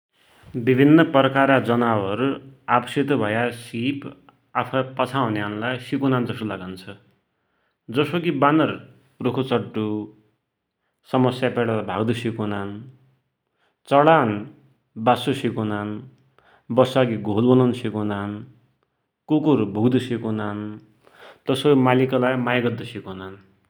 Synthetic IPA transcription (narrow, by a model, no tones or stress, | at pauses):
bibʱinːʌprʌkaɾad͡zʌnawʌɾuabʌsit̪bʱʌjasip | apʰʌpʌt͡sʰaw̃njanlajsikunand͡zʌsolaɡant͡sʰʌ | d͡zʌsokibanʌr | rokʰot͡sʌʈːu | sʌmʌsjapeɽalabʱaɡd̪usikunan | t͡sʌɽan | basusikunan | bʌsaɡiɡʱolbʌnonsikunan | kukurbʱuɡd̪usikunan | t̪ʌsomalikalajmajɡʌd̪ːʌsikonan